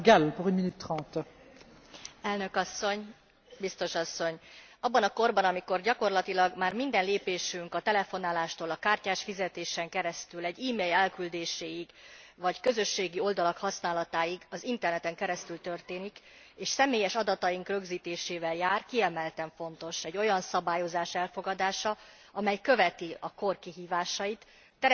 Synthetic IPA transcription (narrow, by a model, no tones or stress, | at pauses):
ɡɛlpuʁynminyt̪ːχʁɑ̃ːt̪ | ɛlnø̞kɒsːo̞ɲ | bist̪o̞ʃɒsːoɲɒbːɒnɒko̞rbɒnɒmiko̞rɟɒko̞rlɒt̪ilɒɡmaːrmind̪ɛnleːpeːʃyŋkɒt̪ɛlɛfo̞naːlaːʃt̪oːlɒkaːrcaːʃfizɛt̪eːʃɛŋkɛɾɛst̪ylɛɟːiːmeːlɛlkyld̪eːʃeːjiɡvɒckø̞zø̞ʃːeːɡio̞ld̪ɒlɒkhɒsnaːlɒt̪aːjiɡɒzint̪ɛrnɛt̪ɛŋkɛɾɛst̪ylt̪ø̞rt̪eːnik | eːʃsɛmeːjɛʃɒd̪ɒt̪ɒjiŋkrø̞ɡziːt̪eːʃeːvɛljaːrkiɛmɛlt̪ɛɱfo̞nt̪o̞ʃɛɟːo̞jɒnsɒbaːjo̞zaːʃɛlfo̞ɡɒd̪aːʃɒ | ɒmɛjkø̞vɛt̪iɒko̞rkiɦiːvaːʃɒjit̪ː | ɛ